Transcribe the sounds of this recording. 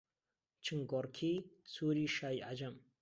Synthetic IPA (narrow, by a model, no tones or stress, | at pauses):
t͡ʃʰɨŋɡɔɾkʰiːsuːɾiːʃaːjʔa̰d͡ʒɐm